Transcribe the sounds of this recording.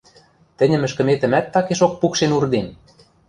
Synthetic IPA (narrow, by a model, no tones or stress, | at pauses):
t̪ɘ̆nʲə̆mɘ̆ʃkə̆met̪ə̆mæt̪ːɑkeʃok̚pukʃenurd̪en